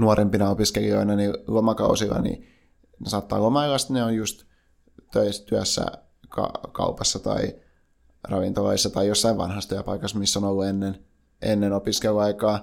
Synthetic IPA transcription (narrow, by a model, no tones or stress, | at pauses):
nuorempinɑopiskelio̰inɑnilomɑkɑ̰usilːˑɑ̰nḭ | nesɑːt̪ːɑ̰ːlomɑilːɑst̪neojjust̪ | t̪øist̪yæsːæ̰ | kɑ̰kɑ̰upɑsːɑt̪ɑ̰i | rɑʋint̪olɑ̰isːɑt̪ɑijjosːɑiʋʋɑ̰nhɑst̪yæpɑikɑsmisːonolːuenːen | ʔenːenopiskeluɑikɑː